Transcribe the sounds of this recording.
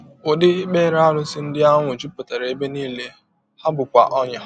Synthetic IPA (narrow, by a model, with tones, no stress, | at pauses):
ʊ˨dɪ˦ɪ˦k͡peː˦ɾa˦ɾʊ˦sɪ˦n̩˦dɪ˦a˦ŋʷʊ˨t͡ʃu˦po˨ta˨ɾe˨e˦be˦niː˦le˦ | ha˦bʊ˨kʷa̰˨ʔɔ˦ɲa˦